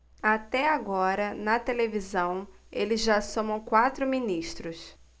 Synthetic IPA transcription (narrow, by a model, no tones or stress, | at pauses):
at̪ɛaɡɔɾɐnɐt̪elevizɐ̃w̃elɪzʒasõmɐ̃w̃kwat̪ɾʊmĩniʃt̪ɾʊs